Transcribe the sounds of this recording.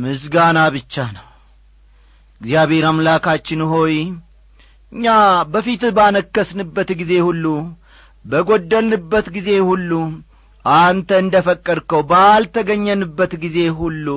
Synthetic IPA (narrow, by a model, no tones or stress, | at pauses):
mɨs̬ɡanaβɨt͡ʃːanəw | ɪɡzijaβe̞ɾamlakat͡ʃːɪnɦo̞j | ɨɲːabəfit̪banəkːəsnɨbːət̪ɡize̞hulːu | bəɡo̞d̪ːəlnɨbːət̪ɡize̞hulːu | ʔant̪ʰəɨnd̪əfəkʼːəɾkəwbalt̪ʰəɡəɲːənɨbːət̪ɡize̞hulːu